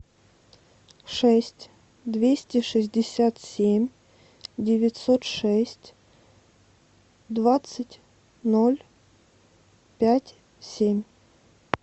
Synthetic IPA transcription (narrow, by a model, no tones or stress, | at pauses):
ʂɛsʲtʲ | d̪vʲesʲtʲɪʂɨzʲdʲɪsʲat̪sʲemʲ | dʲɪvʲɪtʲsot̪ʂɛsʲtʲ | d̪vat̪sɨtʲ | nolʲ | pʲætʲ | sʲemʲ